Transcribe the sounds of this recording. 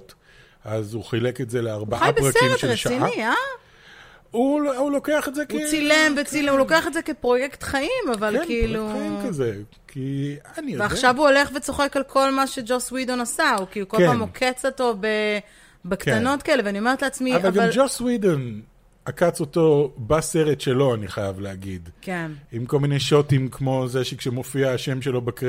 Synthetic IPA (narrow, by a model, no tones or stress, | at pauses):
t | ʔazuχileketzeleaʁbaʔajbeʁakseiʁmetʃeʁleʃainaia | uulokeaχetzekeilemvet͡silemhulo̞keaχe̞tzekepʁo̞jektχaimavalkiːluimkaze | kʰianiveaχʃavuole̞χvet͡so̞χe̞kalkʰo̞lmaʃe̞d͡ʒoswidonasaukiːlukolamokʰet͡soto̞be | bekt̪ano̞tkaele̞veanio̞me̞ʁetleat͡smiavvalɡamld͡ʒoswidon | akat͡soto̞baseʁetʃelo̞aniχajavleaɡid̪kenimko̞lminejʃotimkmo̞zeʃekʃemofiaːʃemʃelo̞bek